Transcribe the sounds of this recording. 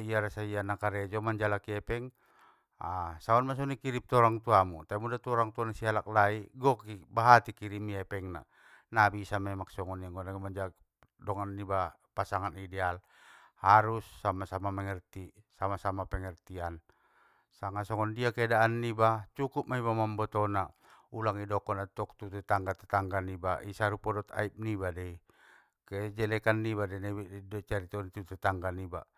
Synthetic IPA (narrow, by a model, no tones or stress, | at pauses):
iaɾasaianakaɾɛd͡ʒɔmaɲd͡ʒalakiɛpɛŋ | asaɔnmas̬ɔnikiɾip̚t̪ɔɾaŋt̪uamut̪aimudat̪ɔɾaŋt̪uanasialak̚laiɡɔkibaɦat̪ikiɾimiɛpɛŋna̰ | nabisamɛmaksɔŋɔniaŋɡɔnamaɲd͡ʒa | dɔŋanːiba | pasaŋanidɛal | haɾusːamasamamɛŋɛrt̪isamasamapɛŋɛrt̪ian | saŋasɔŋɔndiakɛdaːnːibat͡ʃukup̚maibamambɔt̪ɔna | ulaŋidɔkɔnat̪ɔkt̪ut̪ɛt̪aŋɡat̪at̪aŋɡanibaisaɾupɔdɔt̪a̰ip̚nibadɛi | kɛd͡ʒɛlɛkanːiβadɛnɛbidɔt͡ʃaɾit̪ɔnit̪ut̪ɛt̪aŋɡaniba̰